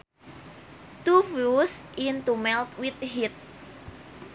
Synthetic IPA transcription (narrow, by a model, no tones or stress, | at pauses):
t̪ufusint̪umɛlt̪wit̪hit̪̚